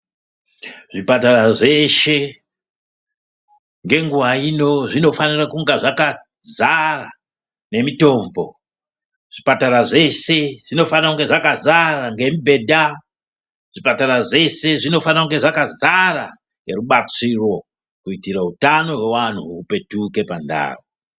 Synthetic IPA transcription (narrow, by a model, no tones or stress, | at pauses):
ʐipataraʐeʃe̞ | ŋɡe̞ŋɡuʋaino̞ʐino̞fanirakuŋɡaʐaka | zara | ne̞mito̞ːmbo̞̰ | ʐ̥ipataraʐe̞se̞ʐino̞fanakuŋɡe̞ʐakazaraŋɡe̞mibʱe̞da | ʐ̥ipataraʐe̞se̞ʐino̞faniakuŋɡe̞ʐakazara | ŋɡe̞ruɓat͡siro̞ | kuitirautano̞we̞wan̤uːpe̞tuke̞panda̰ːwo